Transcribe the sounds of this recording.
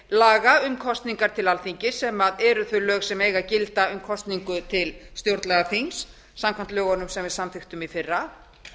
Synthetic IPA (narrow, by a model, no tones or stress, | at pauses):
laːɣaʏmkʰɔst̪niŋkaɾ̥t̪ʰɪlalθiɲcɪsɛmaðɛɾʏθvœlœːɣsɛmeːjɣacɪlt̪aʏmkʰɔst̪niŋkʏt̪ʰɪlst̪jowɾt̪lɛɣaθiŋsː | amkʰvan̥t̪lœːɣɔnʏmsɛmvɪðsamθɪxt̪ʏmiθɪrːa